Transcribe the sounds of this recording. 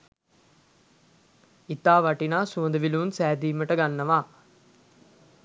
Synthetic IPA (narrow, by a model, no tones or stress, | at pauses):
it̪aːʋaʈinaːsuənd̪əʋilunsæːd̪iːməʈəɡanːəʋaː